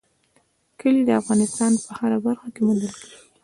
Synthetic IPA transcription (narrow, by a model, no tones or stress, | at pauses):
kəlid̪əafɣɑnɪst̪ɑnpəhaɾabaɾxakemund̪əlkəɽii